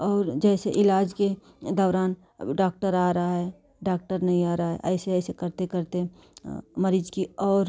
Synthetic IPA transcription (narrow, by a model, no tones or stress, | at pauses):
ɔːɾd͡ʒɛːseʔɪlaːd͡ʒke | d̪ɔːɾaːn | ɖaːk̚ʈəɾaːɾɐɦaɦɛ | ɖaːk̚ʈəɾnɐɦĩaːɾɐaɦɛ̰ʔɛ̰ːseɛːsekəɾt̪ekəɾt̪e | məɾiːd͡ʒkiɔːɾ